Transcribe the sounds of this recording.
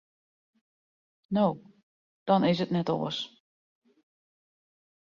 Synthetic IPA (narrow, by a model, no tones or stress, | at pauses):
now | d̥ɔnɪsətnɛto̰əs